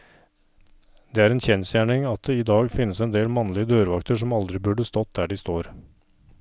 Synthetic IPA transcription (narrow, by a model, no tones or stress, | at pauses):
d̪eːæːɾɛːnçɛnsjæːɳɪŋɑt̪̚d̪ɛɪd̪ɑːɡfɪnːəsɛnd̪eːlmɑnlɪəd̪øːɾʋɑkt̪əʂɔmɑld̪ɾɪbʉɖəst̪ɔt̪̚d̪æːɖɪst̪oːɾ